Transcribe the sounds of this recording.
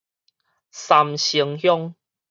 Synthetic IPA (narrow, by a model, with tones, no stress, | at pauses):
sa˨mɕi˨˧˦ŋhjɔ˦ŋ